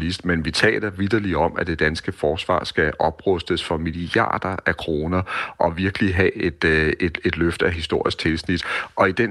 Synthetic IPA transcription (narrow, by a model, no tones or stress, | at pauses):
lisd̥menʋit͡sʰɛ̰ːlɐʋid̥ɐliɒ̽mʔæd̥e̝d̥ænsɡ̥əfɒːsʋɑ̰̈ːsɡ̥æʔɒ̽b̥ʁɔsd̥əsfɒ̽miliɑ̰̈ːd̥ɐækʰʁo̝ːnɐʔɒ̽ʋiɐɡ̥əliɦɛed̥e̥e̝d̥løfd̥æɦisd̥o̝ɐ̰isɡ̥̚t͡sʰe̝lsnid̥ʔɒ̽id̥en